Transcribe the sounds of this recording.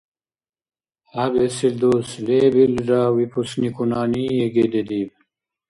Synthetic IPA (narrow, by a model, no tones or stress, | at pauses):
ɐbesild̪oːslebilɾaːwipusnikunaːniːjeɡed̪ed̪iːb